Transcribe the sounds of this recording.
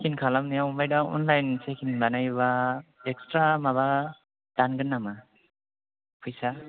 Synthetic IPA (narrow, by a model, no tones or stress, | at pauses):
kʰinkʰalamnijawmbajdaɔ̰nlajnsekʰinbanajbaekstɾamaβa | d̥anɡɯnːama | pʰɯjsa